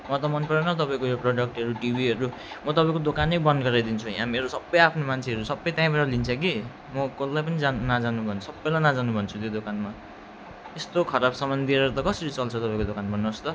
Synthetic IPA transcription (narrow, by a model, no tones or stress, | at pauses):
mʌt̪ʌmʌnpʌɾenʌt̪ʌpaĩkojoproɽʌk̚ʈʌɾuʈibʱiʌɾu | mʌt̪ʌpaĩkod̪okanʌbʌnɡʌɾad̪int͡sʰuj̰ɦãmeɾosʌbːʌjapʰnomant͡sʰeɦʌɾusʌbːʌjt̪jãĩbaʈʌlint͡sʰʌki | mʌkolːajp̬ʌnid͡zanad͡zanubʱʌnsʌbːʌjlajnad͡zanubʱʌnt͡sʰut̪jod̪okanma | t̪est̪okʰʌɾabsʌmbʌnd̪ʱiʌɾʌt̪ʌkʌsʌɾit͡sʌlt͡sʰʌt̪ʌpãĩkod̪okanmʌnːʌst̪ʌ